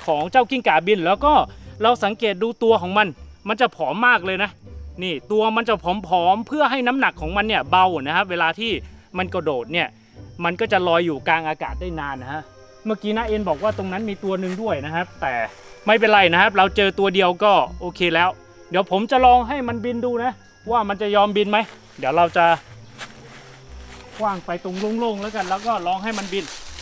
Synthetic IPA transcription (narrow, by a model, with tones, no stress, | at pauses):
kʰɔː˩˦ŋt͡ɕaː˥˩wki˥˩ŋkaː˨˩˦bi˧nlɛː˦˥wkɔː˥˩ɾa˧wsa˩˦ŋkeː˨˩t̪̚duː˧t̪u˧ɐkʰɔː˩˦ŋma˧nma˧nt͡ɕa˨˩pʰɔː˩˦mːaː˥˩k̚lɤː˧jna˦˥niː˥˩t̪u˧ɐma˧nt͡ɕa˨˩pʰɔː˩˦mpʰɔː˩˦mpʰɯ˥˩ɐɦa˥˩jna˦˥mna˨˩kʰːɔː˩˦ŋma˧nːi˥˩ɐba˧wna˦˥kʰa˦˥p̚weː˧laː˧t̪ʰiː˥˩ma˧nkɔ˥˩doː˨˩t̪̚ni˥˩ɐ | ma˧nkɔː˥˩t͡ɕa˨˩lɔː˧jːuː˨˩kaː˧nʔaː˧ka̰ː˨˩t̪̚da˥˩jnaː˧nːa˦˥ka˦˥ʔ | ma˥˩kiː˦˥na˦˥ʔeː˧nbɔː˨˩k̚waː˥˩t̪o˧ŋna˦˥nmiː˧t̪u˧ɐnɯ˧ŋdu˥˩əjna˦˥kʰa˦˥p̚t̪ɛː˨˩ | ma˥˩jp̬e˧nɾa˧jna˦˥kʰa˦˥p̚ɾa˧wt͡ɕɤː˧t̪u˧ɐdi˧əwkɔː˥˩ʔoː˧kʰeː˧lɛː˦˥w | di˨˦əwpʰo˩˦mt͡ɕa˨ʔlɔː˧ŋɦa˥˩jma˧nbi˧nduː˧na˦˥ | waː˥˩ma˧nt͡ɕa˨˩jɔː˧mbi˧nma˦˥j | di˩˦wɾa˧wt͡ɕa˨˩ | waː˥˩ŋpa˧jt̪o˧ŋlo˥˩ŋloː˥˩ŋlɛː˦˥ka˧nlɛː˦˥wkɔː˥˩lɔː˧ŋɦa˥˩jma˧nbi˧n